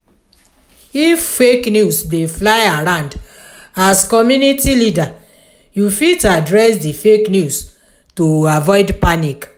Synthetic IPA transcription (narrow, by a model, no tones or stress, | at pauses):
ifːeknjusbeflaɪaɾãʊ̃nd | askɔmjũnitilida | jufitadɹɛsdifeknjus | toavɔɪdpanik